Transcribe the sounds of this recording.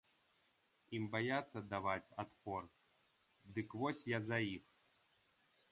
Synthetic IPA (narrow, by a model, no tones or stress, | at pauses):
imbajat̪sːɐd̪avat͡sʲat̪pɔr | d̪ɨkvɔsʲjazajix